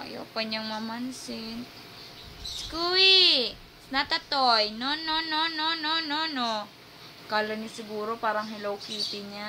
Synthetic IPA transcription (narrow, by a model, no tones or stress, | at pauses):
a̰jo̰paɲaŋmamansin | sə̥kuwi | snat̪at̪ɔjnɔnɔnɔnɔnɔnɔnɔ | kalənisəɡuɾupaɾaŋɦilowkit̪iɲa